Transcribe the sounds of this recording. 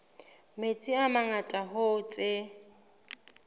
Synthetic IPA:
met͡sʼiamaŋatʼaɦot͡sʼe

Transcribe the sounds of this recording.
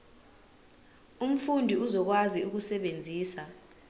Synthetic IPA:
um̩fundʱiuzɔk̬waziuk̬usɛɓend͡zʱiːsa

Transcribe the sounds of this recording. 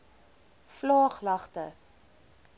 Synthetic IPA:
flɑːχlɐχtə

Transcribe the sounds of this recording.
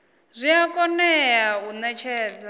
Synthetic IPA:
zʷiakʼɔnɛjaɦunɛt͡ʃʰɛːd͡za

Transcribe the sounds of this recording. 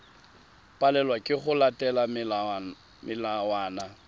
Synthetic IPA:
pʼalɛlwakʼɪχʊlatʼɛla | mɪlawaːna

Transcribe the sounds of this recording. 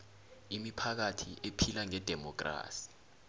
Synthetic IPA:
imipʰak̬atʰiʔepʰilaŋɛd̥ʱɛmɔk̬ʼra̰ːsi̥

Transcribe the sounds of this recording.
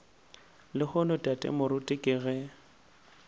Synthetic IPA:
lɪhʊnʊtʼatʼɛ̰mʊɾʊtʼɪkʼɪːɣɛ

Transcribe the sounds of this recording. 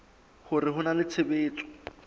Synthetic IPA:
hʊrɪɦʊnalɪt͡sʰɪbeːt͡sʼɔ̥

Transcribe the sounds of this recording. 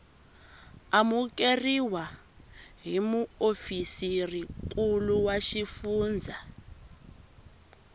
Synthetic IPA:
amukeriwa | ɦimuofisirik̬ʼuluwaʃifuːnd͡zʱa

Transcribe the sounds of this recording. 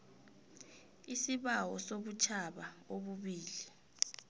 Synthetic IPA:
isiɓawɔsoɓut͡ʃʰaɓaoɓuɓiːli

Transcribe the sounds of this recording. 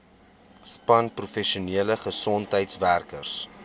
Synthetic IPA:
spɐnprufɛʃiuniələχəsɔntɦəjtsværkərs

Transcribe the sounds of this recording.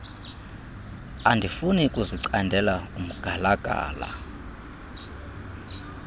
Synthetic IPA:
andʱifunikʼuziǀandʱɛlaumuɡ̥ʱalaɡ̥ʱa̰ːla̰

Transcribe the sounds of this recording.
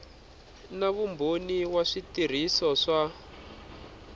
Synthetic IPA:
naβumbʱoniwaʂitir̤isɔʂa

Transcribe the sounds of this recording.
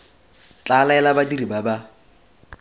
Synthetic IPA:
t͡ɬʼalaɛlabadiribaba

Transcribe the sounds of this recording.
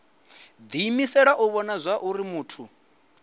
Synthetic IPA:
d̪iːmisɛɺaʔuβɔnazʷaʔuɾimuːtʰu

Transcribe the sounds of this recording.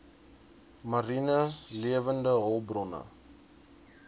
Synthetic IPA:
mɐrinəliəvəndəɦɔlˠbrɔnə̰

